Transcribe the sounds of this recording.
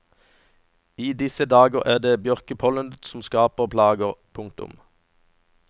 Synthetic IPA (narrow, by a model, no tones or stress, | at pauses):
iːd̪ɪsəd̪ɑːɡəʁæːʁd̪eːbjœʁkəpʰɔlənd̪sɔm̩skɑːpəʁpʰlɑːɡəʁpʰʊŋk̚t̪ʊ̰m